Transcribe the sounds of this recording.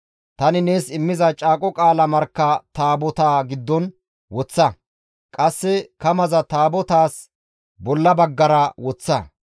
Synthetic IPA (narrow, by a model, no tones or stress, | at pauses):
t̪ɐnɪne̞ːsɪmːɪzɐt͡ʃʼaːkʼɔkʼaːlɐmɐɾkːɐt̪aːbɔt̪aːɡɪd̪ːɔn | wɔt͡sːɐ | kʼɐsːɛkɐmɐzɐt̪aːbɔt̪aːs | bɔlːɐbɐɡːɐɾɐwɔt͡sːɐ